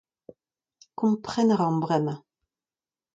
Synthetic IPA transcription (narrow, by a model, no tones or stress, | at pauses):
kũmpχɛnaʁɑ̃mbʁɛna